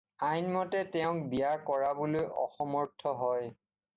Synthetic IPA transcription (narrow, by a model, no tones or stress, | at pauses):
ajnmɔtɛtɛʊ̃k̚bijaɹkɔɹabolojʔɔ̰xɔmɔɹtʰːɔɦɔj